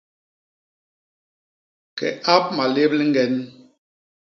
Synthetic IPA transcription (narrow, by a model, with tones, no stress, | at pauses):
kɛ̰˨ʔa˦p̚ma˨le˦b̚li˦ŋ˦ɡɛ˨n